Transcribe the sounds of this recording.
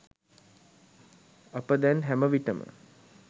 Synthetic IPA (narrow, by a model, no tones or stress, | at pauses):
apəd̪ɛnɦæməʋiʈəmə̰